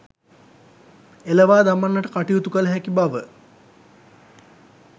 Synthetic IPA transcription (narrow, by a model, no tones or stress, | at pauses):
eləʋaːd̪amanːəʈəkaʈiut̪ukələɦækibaʋə